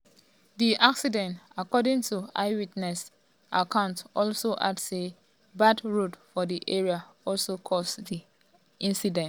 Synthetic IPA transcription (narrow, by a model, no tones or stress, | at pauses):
diʔaksidɛ̃ntakɔdĩŋtua̰ɪwitnɛs | ʔakʰãʊ̃ntɔlsoʔadse | badɹudfɔdiʔeɹiaɔlsokʰɔsdi | ʔĩnsidɛ̃nt